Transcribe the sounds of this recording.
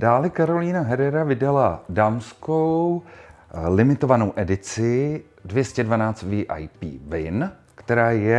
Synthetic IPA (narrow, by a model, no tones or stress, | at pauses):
d̥aːlɛkaɾo̞liːnaɦɛɾɛɾavɪdaladaːmskow | lɪmɪt̪o̞vano̞wʔɛdɪt͡sɪ | dvjɛscɛdvanaːt͡st̪viʔa̰jpḭːvɪn | kt̪ɛɾaːjɛ